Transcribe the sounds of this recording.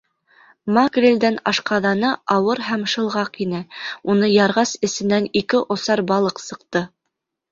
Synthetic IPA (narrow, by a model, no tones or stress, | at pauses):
mɑɡrʲelʲd̪ænɑʃqɑðɑnɤʔɑwɤɾɦæmʃɤ̆lˠʁɑqinɘunɤjɑɾʁɑsɘ̆sɘ̆nænikɘʔŏsɑɾbɑlˠɤqsɤ̆qt̪ɤ